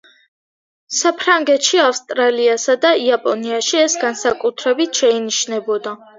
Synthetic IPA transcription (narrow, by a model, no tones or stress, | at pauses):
sapʰɾaŋɡɛt̪ʃiafst̪ʼɾaliasad̪aiapʼɔniaʃiɛsɡansakʼut̪ʰɾɛbit̪ʰʃɛiniʃnɛbɔd̪a